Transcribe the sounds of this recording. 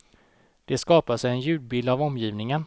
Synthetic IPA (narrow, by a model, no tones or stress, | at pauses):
d̪̥ɛskɑːpasɛjɛnjʉ̟ːd̪̚bɪːld̪avɔmjiːvnɪŋən